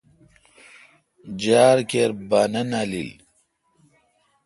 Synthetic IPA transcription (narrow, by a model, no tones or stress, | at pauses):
d͡ʑaːɾkeɾbaːnɐnalḭl